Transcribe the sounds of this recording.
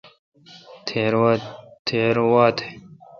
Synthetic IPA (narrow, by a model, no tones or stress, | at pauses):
t̪ʰeɾwt̪ʰeːɾwaːt̪ʰe̥